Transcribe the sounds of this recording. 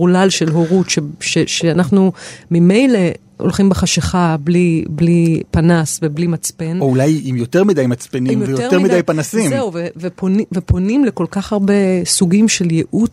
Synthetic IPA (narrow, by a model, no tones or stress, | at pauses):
ulalʃe̞lɦoʁutʃeʃeʃeanaχnumime̞jle̞ | o̰lχimbeχaʃeχabliblipanasveblimat͡spe̞noulajimjoteʁmidajmat͡spenimmjovejotemid̪ajpanasimzeuveveponvepʰo̞nimleko̞lkaχhaʁbe̞suɡimʃe̞ljeʔu